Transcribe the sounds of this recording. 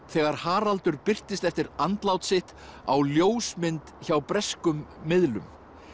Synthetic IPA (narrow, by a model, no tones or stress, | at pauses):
θɛːɣaɾ̥haːɾalt̪ʏɾpɪr̥t̪ɪst̪ɛft̪ɪɾant̪lawt̪sɪht̪ | a̰wljoːwsmɪnt̪çawpɾɛskʏmːɪðlʏ̰m